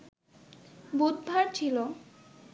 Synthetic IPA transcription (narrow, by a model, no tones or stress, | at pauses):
bud̪̚bʱaɾt͡ɕʰilo